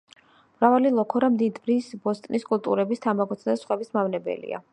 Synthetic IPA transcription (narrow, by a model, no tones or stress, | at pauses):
m̥ɾavalilˠɔkʰɔɾamd̪id̪bɾisbɔst̪ʼniskʼult̪ʼuɾɛbist̪ʰamaɡɔt̪sʰad̪asχwɛbismavnɛbɛ̰lḭa̰